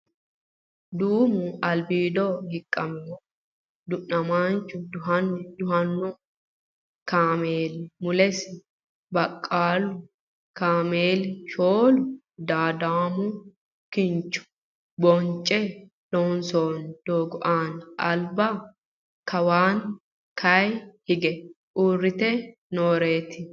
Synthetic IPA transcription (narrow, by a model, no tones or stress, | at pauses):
d̪uːmʊɐlbiːd̪ohɪkʼːɐmɛ | d̪ʊnːɐmaːnt͡ʃːʊd̪ʊɦɐnːd̪ʊhɐnːʊ | kaːmeːlmʊlɛsɪ | bɐkʼːaːlʊ | kaːmeːlʃoːlʊ | d̪aːd̪aːmʊ | kɪnt͡ʃːʊ̥ | bɔnt͡ʃʼɛ | lonsoːnd̪̥oːɡʊʔaːnʔɐlbɐ | kɐwaːn | kʰɐjhɪɡɛ | ʔuːrːɪt̪ɛ | noːɾeːt̪ɪ